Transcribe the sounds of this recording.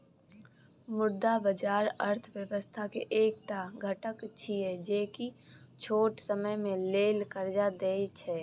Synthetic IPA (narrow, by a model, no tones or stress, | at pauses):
mʊɾd̪abəd͡ʒaːɾəɾt̪ʰʋjəʋəst̪ʰakḛʔeːk̚t̪aɡʱəʈəkt͡ʃʰiɛd͡ʒeːki | t͡ʃʰoːʈsəməjmẽleːlkəɾd͡ʒad̪eːit͡ʃʰɛː